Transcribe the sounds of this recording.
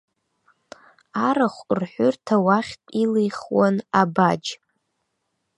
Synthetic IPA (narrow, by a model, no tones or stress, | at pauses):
aɾaχʷrħʷʊrtʰawaχʲtʼilejχwanabad͡ʒ